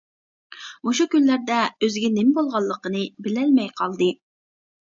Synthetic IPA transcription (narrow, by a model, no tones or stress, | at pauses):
muʃukʲynlæɾd̪ɛøzɡʲɛnɪmɪbolˠʁɑlˠːəqənɨbɪlɛlmɛjqʰɑlˠd̪ɨ